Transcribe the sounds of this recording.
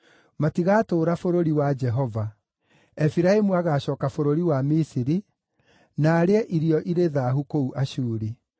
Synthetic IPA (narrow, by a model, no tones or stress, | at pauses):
matiɣaːtoːɾafoɾoɾiwad͡ʒɛɦɔva | ɛfiɾaemuaɣaɕɔːkafoɾoɾiwamisiɾi | naːɾeɛʔiɾiɔʔiɾeðaːɦukouʔaʃuːɾi